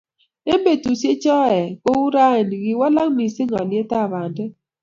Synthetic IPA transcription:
e˦me˨tu˨se˦t͡ʃɔ˦ɛ˨ko˦wu˦ɾa˦e˨ni˨ɡɪ˦wa˦la˦ŋ˦mi˨sɪ˦ŋɔ˨nɪ˦e˦ta˦˨βa˨dɪ˦

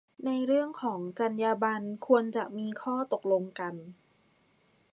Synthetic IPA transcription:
na˧jɾɯ˥˩əŋkʰɔː˩˦ŋt͡ɕa˧njaː˧ba˧nkʰu˧ənt͡ɕa˨˩ʔmiː˧kʰɔː˥˩t̪o˨˩k̚lo˧ŋka˧n

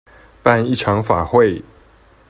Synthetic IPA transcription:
pa˥˧ni˥˩ʈ͡ʂʰɑ˨˥ŋfa˨˩xwe˥˨ɪ

